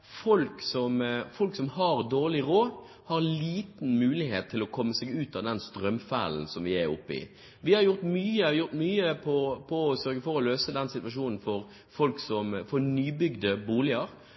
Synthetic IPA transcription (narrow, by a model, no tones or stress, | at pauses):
fɔlksɔmfɔlksɔmhɑɾd̪oːɭɪɾoː | hɑɾliːt̪n̩mʉːlɪheːt̪ʰːɪlɔkʰɔmːəseːɡʉːt̪ɑʋd̪ɛnst̪ɾœmfæ̰ːln̩sɔmʋɪæɾʊpːɪ̰ | ʋɪhɑɾjʊɾt̪myːəjʊɾt̪myːəpʰɔpʰɔːsœɾɡəfɔɾɔløːsəd̪ɛnsɪt̪ʋɑʂuːnn̩fɔɾ | fɔlksɔmfɔɾnyːbʏɡd̪əbuːlɪəɾ